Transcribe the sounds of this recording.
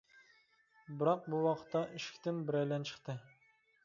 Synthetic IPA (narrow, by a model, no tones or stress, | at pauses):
bɪɾɑq̚buwɑqʰə̥t̪ʰːɑʔiʃkʲt̪ɪnbɪɾɛjlɛnt͡ʃʰə̥χt̪ɨ